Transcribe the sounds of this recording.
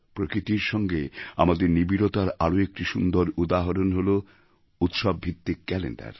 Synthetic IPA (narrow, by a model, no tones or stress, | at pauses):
pɾokɾit̪iɾʃɔŋɡea̰mad̪eɾnibiɾot̪aɾaɾoek̚ʈiʃund̪oɾud̪aɦoɾonɦolo | ut̪ʃabːʱit̪ːikɛlḛnɳɖa̰ɾ